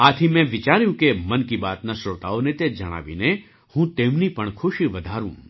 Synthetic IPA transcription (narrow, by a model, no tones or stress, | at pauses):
at̪ʰimɛ̃ʋɪt͡ʃaɾjũkemənkibat̪nasot̪a̰onet̪ed͡ʒəɽ̃a̰ʋḭne | hũt̪emnipəɳkʰʊʃiʋəd̪ʱaɾṵ̃